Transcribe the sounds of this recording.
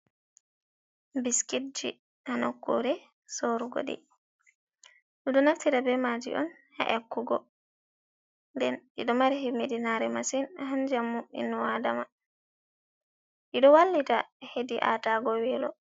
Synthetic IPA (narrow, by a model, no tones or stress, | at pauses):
biskit̚d͡ʒḭ | hanɔkːuɾɛ | soɾuɡɔ̰ɗɛ̰ | ɗuɗɔnaftiɾabɛmad͡ʒḭʔɔ̰n | hɛ̰ʔɛkːuɡɔ̰ | ndɛnʔḭɗɔmaɾiɦimidinaɾɛmasinhand͡ʒamːuḭnːɔwadama | ʔiɗɔwalːitahediʔa̰taɡɔwɛlɔ